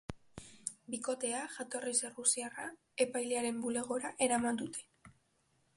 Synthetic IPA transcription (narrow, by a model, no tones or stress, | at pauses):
biko̞t̪e̞aʝat̪o̞rise̞rusiara | e̞pajleaɾe̞mbule̞ɣ̞o̞ɾaʔe̞ɾamand̪ut̪ʰe̞̥